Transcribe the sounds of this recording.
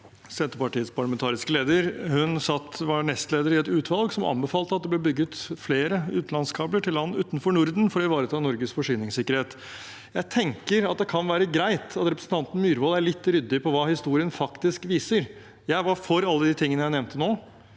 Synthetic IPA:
sɛnt̪əpɑʈiːət̪spʰɑɭɑmɛnt̪ʰɑːɾɪskəleːd̪əɾhʉnsɑt̪ːʋɑɳɛst̪leːd̪əɾɪɛt̪ʉːt̪ʰʋɑlɡsɔmʔɑ̰nbɛfɑːlt̪əɑt̪̚d̪ɛb̪lɛːbʏɡːət̪fleːɾəʉːt̪n̩ɑnskʰɑːbləʈʰɪlːɑnːəʉːt̪n̩fɔɳʊɾd̪n̩fɔɾɔɪʋɑːɾət̪ʰɑːnɔɾɡəsfɔʂyːnɪŋsɪkːəɾheːt̪ | jæɪt̪ʰɛŋkəɾɑt̪̚d̪ɛkʰɑnʋæːɾəɡɾæɪt̪ɑt̪ɾɛpɾəsn̩t̪ʰɑnt̪n̩myːɾʋɔːlæɭɪt̪ːɾʏd̪ːɪpʰɔʋɑːhɪst̪uːɾɪənfɑkt̪ɪskʋiːsəɾ | jæɪʋɑfɔɾɑlːəd̪ɪt̪ʰɪŋːənəjæɪnɛʋnt̪ənoː

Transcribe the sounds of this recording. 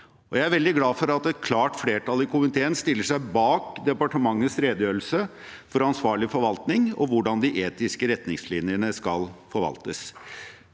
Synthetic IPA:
ɔjæɪæɾʋɛld̪ɪɡlɑːfɔɾɑt̪ɛt̪̚kʰlɑːʈfleːʈʰɑlɪkʰʊmɪt̪ʰeːənst̪ɪlːəʂæɪbɑːkd̪ɛpɑʈəmɑŋːəsɾeːd̪əjøːl̩sə | fɔɾɑnsʋɑːɭɪfɔɾʋɑlt̪nɪŋɔ̰ʋʊɖɑnd̪ɪʔeːt̪ɪskəɾɛt̪nɪŋslinɪənəskɑlfɔɾʋɑ̰lt̪əs

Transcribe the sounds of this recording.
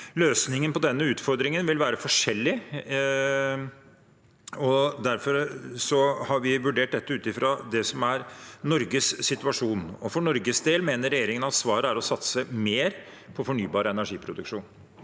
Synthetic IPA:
løːsnɪŋənpɔd̪ɛnːəʉːt̪fɔɾd̪ɾɪŋənʋɪlʋæːɾəfɔʂɛlːɪ | ɔd̪æɾfɔɾsɔhɑɾʋɪʋʉɖeːʈ̚d̪ɛt̪ːəʉːt̪ɪfɾɑd̪ɛsɔmæɾnɔɾɡəsːɪt̪ʉʋɑʂuːnɔfɔɳɔɾɡəsd̪eːlmeːnəɾɛjeːɾɪŋənɑt̪sʋɑːɾəæɾɔsɑt̪səmeːɾ | pʰɔfɔɳyːbɑːɾəɛnæʂiːpʰɾʊd̪ʉ̰kʂuːn

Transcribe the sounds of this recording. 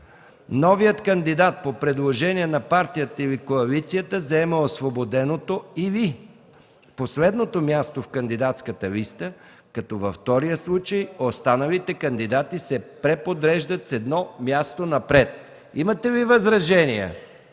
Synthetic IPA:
nɔvijət̪kənd̪id̪at̪̚popɾɛd̪lˠoʒɛniɛnɐpaɾt̪ijət̪əilikoɐlit̪sijət̪əzɐɛməosvobod̪ɛnot̪oivi | poslɛd̪not̪omjast̪ofkɐnd̪id̪at̪skət̪əlist̪ə | kɐt̪ɔvɐft̪ɔɾijəslˠut͡ʃəjost̪anəlit̪ɛkɐnd̪id̪at̪isɛpɾɛpod̪ɾɛʒd̪ət̪sɛd̪nɔmʲjast̪onɐpɾɛt̪̚ | imət̪ɛvivɐzɾɐʒɛniɛ̰

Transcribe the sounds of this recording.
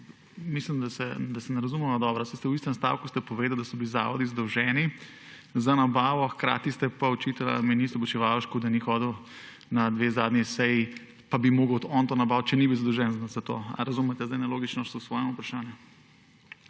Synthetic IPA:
mislimd̪asɛd̪asɛnɛɾɐzumɛmad̪ɔbɾɔsajst̪ɛwist̪ɛmst̪a̰wkust̪ɛpɔʋeːd̪awd̪ɐsɔbiliza̰ːʋɔd̪izad̪ɔwʒɛni | zanabaːʋɔxkɾa̰ːt̪ist̪ɛpaɔt͡ʃit̪ala̰minisɔbɔt͡ʃɛʋalʃkud̪ɐnixɔːd̪əw | nad̪ʋeːzaːd̪nʲisɛji | pabimoːɡəw̪ɔnt̪oːnɐbawt̪̚t͡ʃɛnibiwzad̪ɔwʒɛnzat̪o̰ːa̰ɾɐzumɛt̪ɛzd̪ajnɛloːɡit͡ʃnɔʃsɔsʋɔːjɛmupɾɐʃaːnju

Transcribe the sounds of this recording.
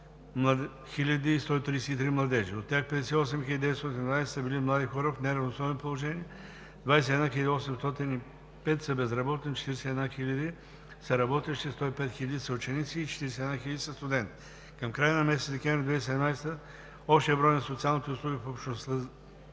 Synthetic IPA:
mlˠɐ | xilʲɐd̪iːst̪ɔit̪ɾiːsɛit̪ɾimlˠɐd̪ɛʒiot̪ːʲjaxpɛd̪ɛsɛiɔs̬ɛmxilʲəd̪id̪ɛt̪st̪oɔt̪ind̪vajsɛ̥səbilimlˠad̪ixɔɾəfnɛɾɐvnosɔvɛnopolˠoʒɛniɛ | d̪vajsɛɛd̪naxilʲɐd̪iɔsɛmst̪ɔt̪ini | pɛt̪sɐbɛzɾɐbɔt̪ɛnit͡ʃɛ̥t̪iɾisɛɛd̪naxilʲɐd̪i | sɐɾɐbɔt̪ɛʃist̪ɔipɛt̪xilʲɐd̪isɐut͡ʃɛnit̪siːt͡ʃɛ̥t̪iɾɛsɛd̪naxilʲɐd̪isɐst̪ʊd̪ɛnt̪ | kɐmkɾajənɐmɛsɛt̪d̪ɛkʲɛ̃vɾʲid̪vɛjssɛd̪ɛmnajst̪ə | ɔpʃt̪ɛɛbɾɔjnɐsot̪sialˠnit̪ɛʊslˠuɡifoopʃnost̪ə

